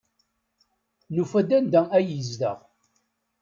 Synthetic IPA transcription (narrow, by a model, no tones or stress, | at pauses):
nufæd̪ænd̪ææjəzdə̰ʁ